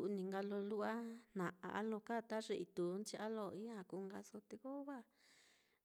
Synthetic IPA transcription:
u˧nĩ˧ŋɡa˧lo˧lu˦ʔa˦nã˨ʔa̰˨ʔa̰˦lõ˧ka˦˨t̪a˦ʐe˧ʔi˧t̪u˨˦nt͡ʃi˧ʔa˦lo˧i˦ã˧˨ku˧ŋɡa˧so˧t̪e˧ko˦βa˦

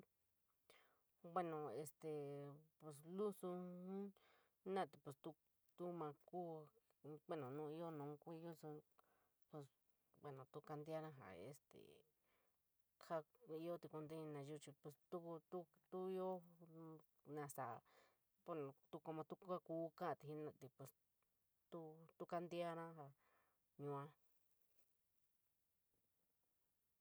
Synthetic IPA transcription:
bwe˦nõ˨e˧st̪e˨pe˧s̬lu˦sũ˧˦ | nã˦˨t̪i˨pe˧˨st̪u˧ | t̪u˦mã˧ku˦˧ | kʷe˦nõ˨nũː˦˧i˦o˦nũ˨˦˧kʷi˦˧ju˦su˧ | pe˧s | be˧nõ˨t̪u˦ka˧nd̪ja˦nã˧ɦa̰˨ḛ˧˨st̪ḛ˨ | kʰa˦i˦o˦t̪i˧ku˧nd̪e˦ĩ˧nã˧ʒu˦t͡ʃi˧pe˧st̪u˦ku˧t̪u˦t̪u˦i˦o˦ | nã˧sa˨ | po˧˦ñ˨˧t̪u˦ko˧mã˧t̪u˦ka˦kuː˦kã˦ʔt̪i˧˨ĩ˦nã˧t̪i˧pwe˧˨s | t̪u˦t̪u˦ka˧nd̪i˦a˦ɾã˦ɦa˧ | ɲũ˧ã˦

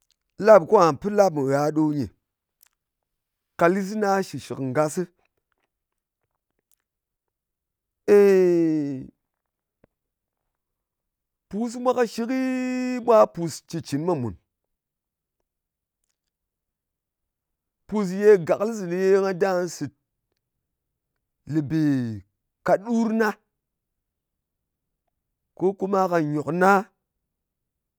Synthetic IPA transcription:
la˦bko˦a˨npɨ˦la˦p̚mɨ˨ɾa˨˦ɗo˦ɲe˨ | ka˨li˦s̬i˦na˦ʃi˨ʃi˨kŋ˨ɡa˦sɨ˦ | e˦˨ | pu˨s̬mʷa˦ka˦ʃi˦ki˦mʷa˦pu˨st͡ʃi˨t͡ʃi˨n˦ma˦mṵ˨n | pu˨s̬je˦ɡa˨klzi˨lje˦ŋa˦da˦n˦si˨t̚ | li˨be˨ | ka˨ɗu˦ɾna˦ | ko˦ku˦ma˦ka˨ɲo˨kna˦

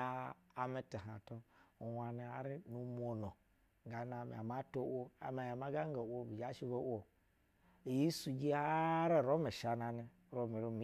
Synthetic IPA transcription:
aː˦˨me˨˦ti˨ɦa˨to˦˨wa˨ni˨a˨ɾi˦nu˨mʷo˨no˨ | ŋ˨ɡa˨na˨mḛ˨a˨ma˦to˦wo˦a̰˨ma˨ja˨ma˦ɡa˦ŋ˦ɡa˨wo˦bi˨d͡ʒa˦ʃi˦bo˦wo˨ | ji˦su˨ɡi˦a˦ɾe˦˨ɾo˦me˨ʃa˨na˨ni˨ | ɾo˨mi˨ɾo˦mi˦

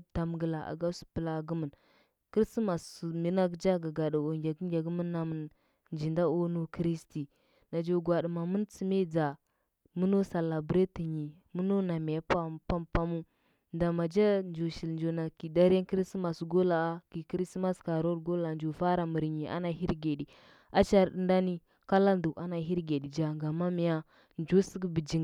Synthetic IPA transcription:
ta˨m˨ɡə˨la˨ʔa̰˨ɡa˦su̥˨pə˨la˦˨ɡu˦mə˨n | ki˦ɾsi˦ma˨smi˦na˦ɡd͡ʒa˦ɡa˨ɡa˨da˨o˨ŋɡʲa˨ɡə˦ɡʲa˨ɡə˦mə˦nːa˨mə˨n | nd͡ʒi˨nda˦o˦nu˦kɾi˦sti˨ | na˨d͡ʒo˨ɡwa˨ɗi˨ma˨mə˦nt͡si˦me˦d͡za˨ | mu˦no˦sa˨la˨bɾe˦ti˨ɲi˨ | mu˦no˦na˨me˨ja˦pa˦pa˦mpa˦mu˦ | nda˨ma˨d͡ʒa˦nd͡ʒo˨ʃi˨lnd͡ʒo˨na˨ki˨da˦ɾa˦nkɾi˦stma˨sɡo˦la˨a˦ki˨kɾi˦sma˦ska˨ɾo˦dɡo˦la˨nd͡ʒo˨fa˦ɾa˨mə˨ɾɲi˨ʔa̰˦na˨ɦi˦ɾɡe˨di˨ | a˦t͡ʃa˦ɾɗə˨nda˦ni˦ | ka˦la˦ndu˨a˦na˨ɦi˦ɾɡe˨ɗi˨d͡ʒa˨ŋɡa˨ma˦mi˨ja˦ | nd͡ʒo˦si˦ɡbi˨d͡ʒi˦ŋ

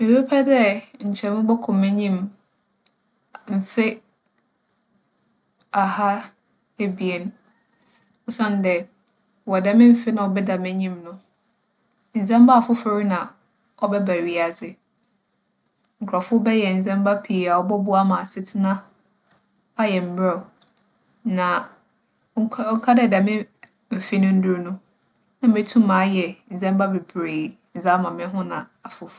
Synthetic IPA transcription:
me˨be˦pʰɛ˦dɛ˦ɲ̩˨t͡ɕʰɛ˨mɪ̃˦bɔ˦kʰʊ̃˨mɛ̃˦ɲĩ˦m | m̩˨fe˦ | a˨ha˦ | e˦bi˨e˨n˦ | ɔ˦sã˦n˨dɛ˨ | wɔ˨da˦mɪ̃˦m̩˨fɪ˦nã˨ɔ˨bɛ˦da˨mɛ̃˦ɲĩ˦mnʊ̃˦ | n̩˨zɛ̃˦mba˦˨fʊ˦fe˨ɾi˦nã˨ | ɔ˦bɛ˦bæ˨ɥi˨a˨zɪ˨ | ŋ̩˨kʰɔ˨fʊ˦bɛ˦jɛ˨n̩˨d͡zɛ̃˦m˦ba˦pʰi˨a˨ɔ˦bɔ˦bʊ˦a˦mã˨sɪ˦tʰɪ˦nã˦ | a˦jɛ˨m̩˨bɾɛ˦˨ | nã˨˦ | ŋ̩˦kʰa˦dɛ˦˨da˨mɪ̃˦ | m̩˨fɪ˦nʊ̃˦n̩˦dʊ˦ɾnʊ̃˦ | nã˨mɪ̃˨˦tʰũ˦mãː˨˦jɛ˨n̩˨d͡zɛ̃˦mba˦be˨bɾe˨ | n̩˨d͡za˦mã˨mɪ̃˦ɦʊ̃˦nã˨a˨fʊ˨f

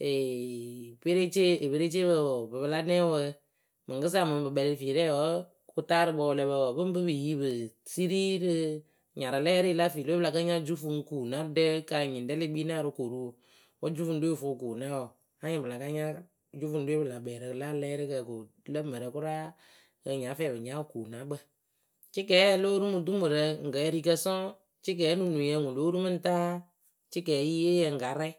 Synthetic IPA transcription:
e˨ | be˦ɾe˦t͡ʃe˦e˨be˦ɾe˦t͡ʃe˦bə˨bɨ˨bɨ˨˧la˦nɛ˦wə˧ | mɨ˨kɨ˦s̬a˦˨mɨ˨bɨ˨ɓɛ˧li˧fiː˨lɛː˦˨wɔ˨ | ku˧taː˦ɾɨ˧bɔ˧lɛ˧bɛ˧wɔ˨bɨ˦m˦bɨ˦bɨ˨ji˦bɨ˨si˦ɾi˦ɾɨ˧ | ɲa˨ɾɨ˨lɛː˦ɾi˦˧la˦fiː˨lo˦bla˨ka˦ɲa˦d͡ʒu˦fu˧ŋkuː˨na˦dɛ˦ka˧˨ɲi˨n˨dɛ˦le˦ɓiː˦na˦˨ɾɨ˧ko˨ɾu˦˨ | wɔ˦d͡ʒu˦fu˧n˦do˦e˦˧˨fu˧˨kuː˨nɛ˦wɔ˨ | a˦ɲɪ̃˨bɨ˨la˨ka˧˦ɲa˦ | d͡ʒu˦fu˨˧ndo˦e˦bla˨bɛː˨ɾə˨la˦lɛː˦ɾi˦kə˧˨ko˨˦ | lə˦mə˨ɾə˨kʊ˦ɾa˦ | kə˧˨ɲa˨˦fɛː˨bɨ˨ɲa˦˨˦ku˨nã˨˦bə˧ | t͡ʃɪ˦k̬ɛː˨˦loː˦ɾu˦mu˧du˦mɨ˨ɾə˨ŋ̩˨ɡə˨˦ɛ˦˧ɾi˧kə˧sɔ̃˦ | t͡ʃɪ˦k̬ɛː˨˦nu˨nu˨jɛ˧˨ŋũ˨lo˦ɾu˦mɨ˦n̩˦taː˦ | t͡ʃɪ˦k̬ɛː˨˦i˦je˦jɛ˧ŋ̩˨ɡa˨˦ɾɛ˦

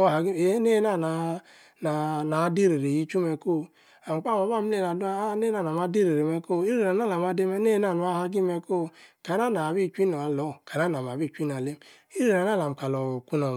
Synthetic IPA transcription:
o˦˨a˨ɡi˦e˨˦ne˦na˦˨na˨ | na˨na˨˦di˦ɾe˨ɾe˨ji˦t͡ʃu˦me˨ko˦ | a˨m˨k͡pa˦˨ma˨ba˦˨m̩˦le˦˨na˨dne˦na˦˨n˨a˨ma˨˦di˦ɾe˨ɾe˨me˦ko˦i˦ɾe˦˨a˨na˦la˨ma˨de˦me˦ne˦na˦˨nu˨˦a˦ha˦ɡi˦me˨ko˦ka˨˦na˦˨na˨βi˦˨t͡ʃi˦no˨a˨lɔ˦ka˨n˦a˦na˨m˨a˨bi˦˨t͡ʃʷi˦n˨a˨le˦m | i˦ɾe˨ɾa˨n˦a˦la˨m̩˨ka˨lo˨ku˦no˨

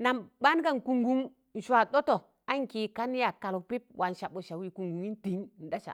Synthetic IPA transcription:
na˨mba˦n˦ka˦˨n˨ku˨ŋɡu˦m | n̩˨ʃwa˨ɗo˦to˨ | a˦ŋ˦ki˨ka˦n˦ja˨ka˨lo˨pi˦p̚wʔa˨n˨ʃa˨ɓo˨ʃa˨wi˨ku˨ŋɡu˨mi˦nti˨˦ŋ˨n̩˨da˦ʃa̰˨

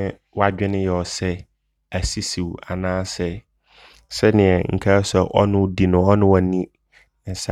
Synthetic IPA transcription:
wa˦d͡ʑᶣɪ̃˦nʊ̃˦jɛ˨ɔ˨sɛ˦ | æ˨si˦si˨wa˨nãː˦sɛ˦ | sɛ˦nɪ̃˨ɛ˨ŋ̩˨kʰa˦sɛ˦˨ʔɔ̰˦nʊ̃˦di˨nʊ̃˨ɔ˦nʊ̃˦wa˨nĩ˦ | n̩˨sa˦

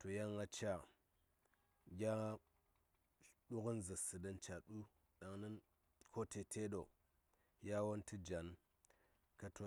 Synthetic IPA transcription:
to˨ja˦ŋɡa˦t͡ʃa˦˨ | ɡʲa˦ | ɗu˦kə˦nza˨sɨ˨də˦nt͡ʃa˨ɗu˦ | ɗa˨ŋni˦n | kʰo˦tʰe˨tʰe˦ɗo˨ | ja˦wo˦nti˦d͡ʒa˨n | ka˨to˨

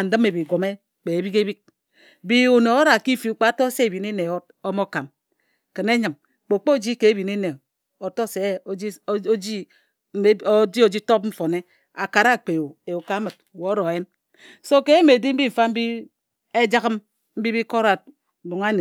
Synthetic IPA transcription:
n̩˨dɨ˦me˨bi˨ɡo˨me˦ | k͡pe˨e˨bi˦ke˦bi˦k̚ | bi˦o˨ne˨˦ɾa˨ki˦fi˨u˦k͡pa˦to˦se˦e˨bi˨ne˦ne˨o˦t̚ | o˦mo˦ka˨m | ke˨ne˦ɲɨ˨m | k͡po˨k͡po˦d͡ʒi˦ke˨e˦bi˨ne˦ne˨ | o˨to˦se˨˦d͡ʒi˦ | d͡ʒi˦o˨d͡ʒi˦to˦p̚ɱ̩˦fo˨ne˦ | a˨ka˨ɾa˦˨k͡pe˨o˨e˨u˨ka˦mɨ˨t̚wo˨˦ɾo˨je˦n | so˦ke˦e˦me˨di˦m̩˦bi˦ɱ̩˨fa˦m̩˦bi˦ | e˦d͡ʒa˦ɣɨ˦m | m̩˦bi˦bi˦ko˦ɾa˨t̩̚˨ | bu˨ŋa˦ne˨

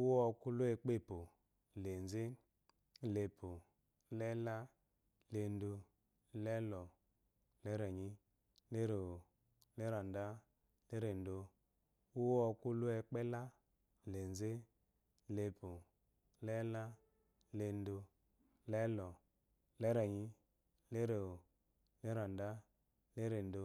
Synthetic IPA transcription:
u˦wɔ˦˧ku˦lu˦e˧k͡pe˦˨po˨ | le˨n˨ze˦˨ | le˨pu˨ | lɛ˦la˦ | le˧n˦do˧˦ | lɛ˦lɔ˨ | le˦ɾe˨ɲi˦ | le˦ɾo˨˦ | le˦ɾa˨n˨da˦ | le˦ɾe˨n˦do˧ | u˦wɔ˧ku˦lu˦ɛ˧k͡pɛ˦la˦ | le˨n˨ze˦ | le˧pu˨ | lɛ˦la˦ | le˧n˦do˧ | lɛ˦lɔ˨ | lɛ˦ɾe˨ɲi˦ | le˦ɾe˨o˨ | le˦ɾa˨nda˦ | le˦ɾe˨n˦do˧

